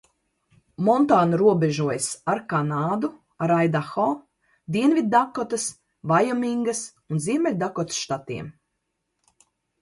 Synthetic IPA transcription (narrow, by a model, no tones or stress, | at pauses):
mɔnt̪aːnuɾuɔbʲɛʒuɔjsaɾkanaːd̪u | aɾajd̪axɔː | d̪iɛnvid̪̚d̪akɔt̪ɐs | vajɔmiŋɡɐs | unziɛmɛlʲd̪akɔt̪sʃt̪at̪ḭɛm